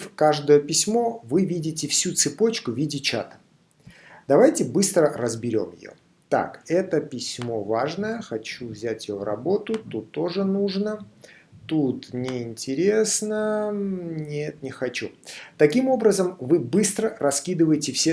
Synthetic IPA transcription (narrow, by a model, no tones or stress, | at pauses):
fkaʐd̪əjəpʲɪsʲmo̞vɨvʲidʲɪt̬ʲɪfsʲut̪sɨpo̞t͡ɕkʊvʲidʲɪt͡ɕa̰t̪ə̥ | d̪ɐvajtʲɪbɨst̪ɾərəzbʲɪɾʲo̞̰mjɪ̰jo̰ | t̪a̰kɛt̪əpʲɪsʲmo̞vaʐnəjəxɐt͡ɕuvzʲætʲjɪjovrɐ̰bo̞t̪ʊt̪ut̪ːo̞ʐɨnuʐnət̪ut̪nʲɪɪnʲtʲɪɾʲe̞snə | nʲet̪nʲɪxɐt͡ɕut̪ɐkʲimo̞bɾəzəmvɨbɨst̪ɾərɐskʲid̪ɨvəjɪtʲɪfsʲe